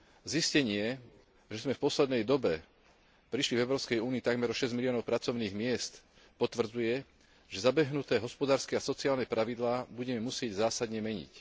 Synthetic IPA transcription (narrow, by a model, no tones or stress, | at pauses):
ziscɛɲɪɛ | ʒɛzmɛfpɔslɛd̪nɛjd̪ɔbɛ | pɾiʃlivɛʊɾɔʊskɛjuːniit̪aɡmɛɾɔʃɛzmiliɔnɔʊpɾat͡sɔʊniːɣmɪɛst̪ | pɔt̪ʋr̩d͡zujɛ | ʒɛzabɛɦnut̪ɛːɦɔspɔd̪aːɾskɛasɔt͡siaːlnɛpɾaʋid̪laːbuɟɛmɛmusɪɛɟzaːsad̪ɲɛmɛɲḭc